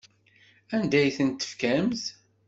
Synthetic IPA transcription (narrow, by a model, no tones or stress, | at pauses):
ænd̪æjθənt̪ːə̥fkæmz